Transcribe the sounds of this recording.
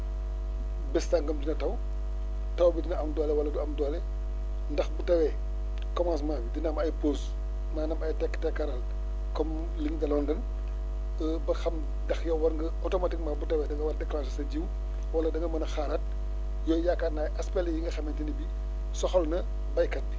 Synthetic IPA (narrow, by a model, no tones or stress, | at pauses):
bɛstaŋɡɐmdinɐtɐw | tɐwbitinɐʔɐmdɔlɛwɐlːɐduɐmdɔlɛ | ndɐxbutɐwɛ | kɔmans̬maːbidinamɐjpos | maːnɐmɐjtɛkːtɛkːɐɾal | kɔm | liŋdɐlɔndɐn | bɐxɐm | dɐxjɐwwɐɾŋɡɐotomatik̚mabutɐwɛdɐŋɡɐwɐldɛklaːsɐsɐɟiw | wɐlːɐdɐŋɡɐmɐnɐxaːɾɐt̚ | jɔːjakːaːnaːjɐspɛljiŋɡɐxɐmɛntinɐbi | sɔxɔlnɐ | bɐjkɐt̚